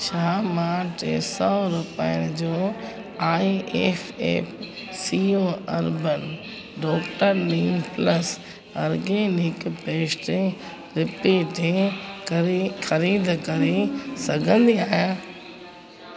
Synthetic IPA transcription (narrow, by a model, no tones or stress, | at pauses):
ʃaːmaːʈḛsɔːɾʊpiənɪd͡ʑoː | aːiʔeːpḛːpsiːoːɐɾbən | ɖɔːkʈəɾliːmpləs | ɐːɾɡeːnɪkpeːʃʈẽ | ɾɪpeːʈe | xɐɾiːd̪ʱkɐɾesɐɡʱə̃nd̪iaːijaː